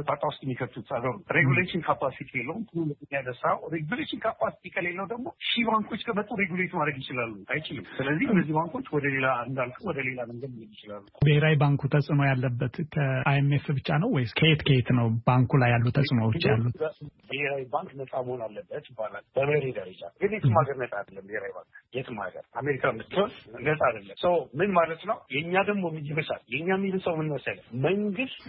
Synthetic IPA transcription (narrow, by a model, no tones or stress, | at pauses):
t̪ʼat̪ʼawʊst̪ʼɛmːikʰət̪ʰut̪saɡ̪əɾuɾeɡuleʃɪnkʰapasit̪ʰielːəwumkʰɨnumɨt̪ɨnːjad̪əsawɾeɡuleʃɪnkʰapːasi̥t̪ʰikʰʼəlelːəwd̪əɡmo̞ʃibaŋkʰo̞t͡ʃːkʰəmət̪ʼuɾeɡulet̪imad̪ɾəɡjɪt͡ʃɪlalːuʔajt͡ʃɪlɨmsɨləzːihɨnːəzːihbaŋkʰo̞t͡ʃːwɔd̪əle̞land̪alkʼəwɔd̪əle̞laməŋɡəd̪məjjɪt͡ʃɪlalːubəheɾawibaŋkʰut̪ʰəsʼno̞jalːəbːət̪kʰəʔajemefbɨt͡ʃːanəwwɔjskʰəet̪kʰəet̪nəwb̥aŋkʰulajːalːut̪ʰəsʼɨnowot͡ʃːja̰lːubəheɾawibaŋkʼnəsʼaməhonalːəbːət̪jɪbːala̰lb̥əməɾed̪əɾəd͡ʒa̰ɡɨnjet̪ʰɨmhaɡəɾnət̪ʼad̪əlːəmbiheɾawiba̰ŋkjɛt̪ʰɨmha̰ɡə̰ɾʔameɾikʰamɨt̪ːɨonnətʼad̪əlːəmsəwmɨnmalət̪nəwjɛɲːad̪əɡmomːijiβəʃa̰ljɛɲːamːilɨsəwmɨnməsələməŋɡɨst̪